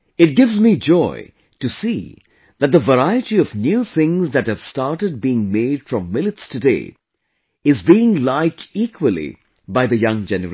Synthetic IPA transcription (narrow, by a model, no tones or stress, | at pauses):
ɨt̚ɡɪvzmid͡ʒɔɪ | tɨsi | ðɨt̪̚d̪əvəɾaɪɨtiʌvnjuθɪ̃ŋzðɨt̚hɨv̥staɹʈəd̚biɪ̃ŋmeɪd̥fɹʌ̃mːɪlɨtstʰɨdḛɪ | ɪzbiɪ̃ŋlaɪk̚tiːkʰwəlˠḭ | baɪðɨjʌ̃ŋd͡ʒɛnə̰ɾ